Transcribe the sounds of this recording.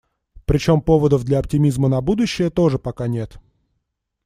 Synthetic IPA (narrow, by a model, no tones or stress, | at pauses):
pɾʲɪt͡ɕo̞mpo̞vəd̪əvd̪lʲɐɐptʲɪmʲizmənɐbud̪ʊɕːɪjət̪o̞ʐɨpɐkanʲe̞t̪